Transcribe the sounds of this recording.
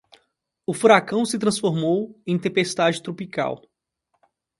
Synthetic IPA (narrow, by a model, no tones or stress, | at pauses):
ʊfuɾakɐ̃w̃sɪt̪ɾɐ̃sfoɾmowẽj̃t̪ẽmpest̪ad͡ʒɪt̪ɾopika̰w